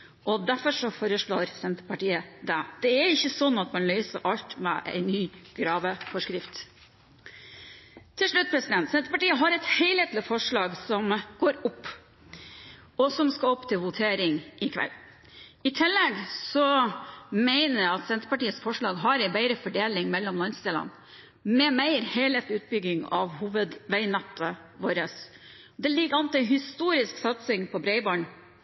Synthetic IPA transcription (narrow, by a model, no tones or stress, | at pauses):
ʔɔd̪æɾfɔɾʂɔfoːɾəʂɭoːɾsɛnt̪əpɑʈiːəd̪ɛd̪̥ɛæɾɪçːəsɔnːɑt̪mɑnlœʏsəʔɑlt̪mɛ̰ʔæ̰ɪnːyːɡ̥ɾɑːʋəfɔʂkɾɪft̪ | t̪ʰɪlʂɭʉt̪̚ːpʰɾɛsɪd̪ɛnt̪sɛnt̪əpɑʈiːəɦɑɾɛt̪hæɪleːt̪lɪfɔʂɭɑːɡsɔmɡ̥oːɾʊpː | ɔsɔmskɑɔpt̪ʰɪlʋʊt̪ʰeːɾɪŋʔɪkʰʋɛ̰lː | ɪt̪ʰɪlːɛɡsɔ | mæɪnəɾɑt̪sɛnt̪ɾəpɑʈiːəsfɔʂɭɑːɡɦɑɾæɪbæɪɾəfɔɖeːlɪŋmɛlːɔmlɑnst̪eːlɑ̰n | mɛmæɪɾhæɪlheːt̪lɪʉːt̪̚bʏɡɪŋɑ̰ʋhuːʋəd̪ʋæɪnɑt̪ʰːə | ʋoːɾəs | d̪ɛlɪɡəɑnt̪ɪhɪst̪uːɾɪsksɑt̪sɪŋpʰɔbɾeɪbɑɳ